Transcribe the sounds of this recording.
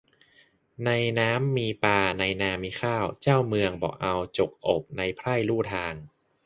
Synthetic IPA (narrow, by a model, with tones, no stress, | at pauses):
na˧jnaː˦˥mːiː˧paː˧na˧jnaː˧miː˧xʰaː˥˩wt͡ɕaː˥˩wmɯ˧əŋbɔ̰ː˨˩k̚ʔa˧wt͡ɕo˨˩k̚ʔo˨˩k̚na˧jpʰɾa˥˩jluː˥˩t̪ʰaː˧ŋ